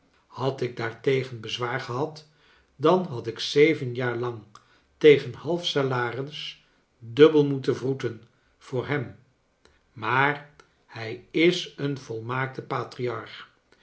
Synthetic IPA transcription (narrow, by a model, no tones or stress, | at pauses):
hɑtɪɡ̚daːɹtejχənbəzʋaːɹχəɦɑt | dɑnɦɑtɪksejvənjaːɹlɑŋ | tejχənhɑlˠfsalaːrəns | dɵbəlˠmutəvrutən | v̥ʊːɹɦɛm | maːr | hɛjɪsənvɔlˠmaːk̚təpaːtriɑɹχ